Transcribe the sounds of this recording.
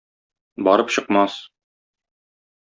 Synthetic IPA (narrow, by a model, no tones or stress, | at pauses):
bɒɾɤpɕɤ̆qmɑs